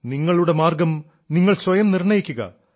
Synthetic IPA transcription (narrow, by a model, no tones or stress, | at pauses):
niŋːɐɭuɽe̞maːrɡɐm | niŋːɐɭswɐjɐmnirɳɐjikʲːuɣɐ̰